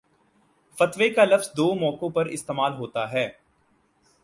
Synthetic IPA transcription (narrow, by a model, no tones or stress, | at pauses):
fɐt̪ʋekalɐfzd̪oːmɔːkõpɐɾɪst̪eːmaːlɦoːt̪aɦɛː